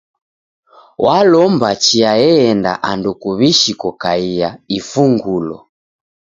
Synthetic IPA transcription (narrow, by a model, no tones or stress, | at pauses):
wʔalɔmbat͡ʃiajɛɛnda̰ʔandukuβiʃikɔkaijaifuŋɡulɔ̰